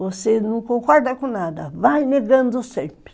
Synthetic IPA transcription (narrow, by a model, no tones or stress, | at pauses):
osenũkokʷadakunadavaineɡand͡zosepi̥